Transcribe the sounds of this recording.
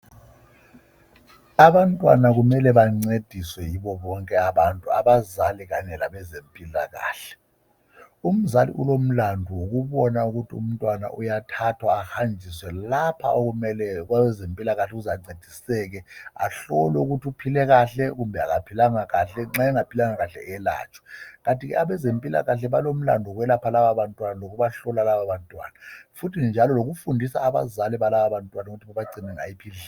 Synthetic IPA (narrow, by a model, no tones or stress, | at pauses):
aɓantʼwa̰nak̬umɛlɛɓaŋ͡ǀed̥ʱiswɛjiɓɔɓɔŋkʼɛaɓantʼuaɓazaliɣ̬aɲɛlaɓɛzempʼila̰ɣa̰ːɬɛ̥ | um̩zalḭʔulom̩landʱuwok̬uɓɔnauk̬utʰiṵm̩tʼwana̰ʔujatʰatʰwaːhand͡ʒʱiswɛlapʰa̰okumɛlɛk̬wawɛzempʼilaɣaɬɛuzaŋ͡ǀed̥ʱisɛɣɛa̰ɬɔlɛuɣutʰiupʰilɛɣaɬɛɣ̬umbʱɛa̰ɣapʰilaŋaɣaɬɛŋ͡ǁaɛŋapʰilaŋaɣaɬɛ̰ɛla̰ːt͡ʃʼwḁɣantʼiɣɛ̰ʔaɓɛzempʼila̰ɣaɬɛβalom̩la̰ndʱɔɣwɛlapʰalaβaβantʼwanalok̬ʰuβaɬɔlalaβaβantʼwa̰ːnafutʰind͡ʒʱalɔloɣufundʱisa̰ːβa̰zalɛβalaβaβantʼwanauɣutʰiβaβaɡ͡ǀʱinɛŋa̰jipʰiɮ